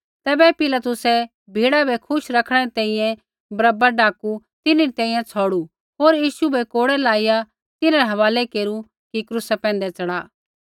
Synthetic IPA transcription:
t̪ɛːbɛpɪlɐt̪ʊsɛ | bʱiːɽabʱɛkʰʊʃɾɐkʰɽ̃ɛɾit̪ɛ̃ːĩjɛ̃ | bɾɐbaɖaːku | t̪ɪniɾit̪ɛ̃ːĩjɛ̃t͡sʰɔːɽu | ɦoːɾjiːʃubʱɛkoːɽɛlaːɪja | t̪ɪnaɾɛɦɐʋaːlɛkeːɾu | kikɾusɛpɛ̃ːnd̪ɛt͡sɐɽaː

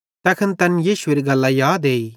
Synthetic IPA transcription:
t̪ɐkʰənt̪ɐnjiːʃʊeɾiɡɐlːajaːd̪eːi

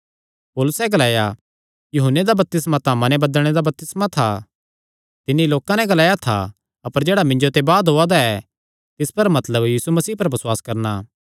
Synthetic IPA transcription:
poːlʊsɛɡɐlaːja | jʊɦənːed̪abɐp̚t̪ɪsmat̪aːmãnɛbɐd̪əlɽ̃ed̪abɐp̚t̪ɪsmat̪ʰa | t̪ɪnːiloːkãnɛɡɐlaːjat̪ʰa̰ | ɐpəɾd͡ʒeːɽamɪ̃ɲd͡ʒot̪ebaːd̪ɦoːad̪aɛ | t̪ɪspɐɾmɐt̪ləbjiːsumɐsiːpɐɾbɐswaːskɐɾnaː

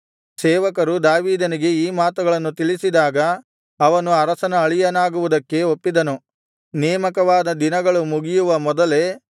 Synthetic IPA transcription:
sɛːʋɐkɐɾud̪aːʋiːd̪ɐniɡe̞iːmaːt̪uɡɐɭɐnːut̪iɭisid̪aːɡɐː | ʋɐnuɐɾɐsɐnɐːɭijɐnaːɡuʋud̪ɐkːe̞opːid̪ɐnu | nɛːmɐkɐʋaːd̪ɐd̪inɐɡɐɭumuɡijuʋɐmɔd̪ɐle̞

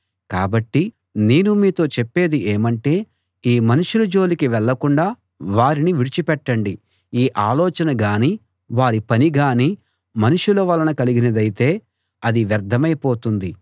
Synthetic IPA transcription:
kaːbɐʈːi | neːnumiːt̪o̞ːt͡ʃepːe̞ːd̪iʔeːmɐɳʈe̞ː | iːmɐnuʂulɐd͡ʒo̞ːlikiʋɛɭːɐkuɳɖaː | ʋaːɾiniʋiɽit͡ʃipɛʈːɐɳɖi | iːʔaːlɔːt͡ʃɐnɐɡaːniː | ʋaːɾipɐniɡaːniː | mɐnuʂulɐːʋɐlːɐnɐkɐliɡinɐd̪ɐjit̪e̞ː | ɐd̪iʋjɐɾd̪ʱːɐmɐjpo̞ːt̪und̪i

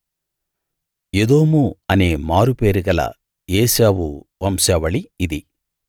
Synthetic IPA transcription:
jed̪oːmuɐneːmaːɾupeːɾuɡɐlɐ̰ | eːsaːʋuʋɐmsɛːʋɐɭiːd̪i

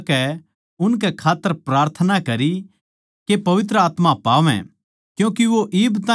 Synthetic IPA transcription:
kɛ | ʊnkɛkʰaːt̪ːəɾpɾaːɾt̪ʰənakɐɾi | kepɐʋɪt̪̬ɾəaːt̪mapaːʋɛ̰̃ | kjũːkiʋoʔɪːbt̪ãː

